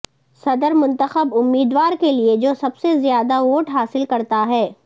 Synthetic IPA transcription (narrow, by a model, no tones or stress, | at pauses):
sɐd̪əɾmʊ̃nt̪əxəbʊmːiːd̪waːɾkelied͡ʒoːsɐbsezjaːd̪aʋoːʈɦaːsɪlkɐɾt̪aɦɛː